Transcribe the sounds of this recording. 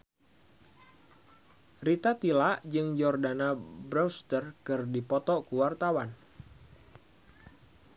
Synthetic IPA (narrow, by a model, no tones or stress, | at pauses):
rit̪at̪ilaʔd͡ʒɨŋd͡ʒɔrdanabɾɔwst̪ərkɨrdipɔt̪ɔkuwart̪awan